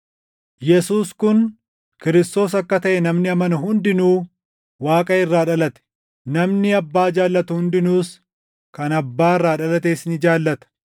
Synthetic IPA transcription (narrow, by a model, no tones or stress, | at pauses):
jɛsuːskʊn | kɪɾɪst̪o̞ːs̬ɐkːɐt̪ɐʔɛnɐmnɪɐmɐnɐɦʊnd̪ɪnuː | waːkʼɐɪrːaːᶑɐlɐt̪ɛ̥ | nɐmnɪɐbːaːd͡ʒaːlːɐt̪ʊhʊnd̪ɪnuːs | kɐnɐbːaːɪrːaːᶑɐlɐt̪eːsɪnɪd͡ʒaːlːɐt̪ɐ̥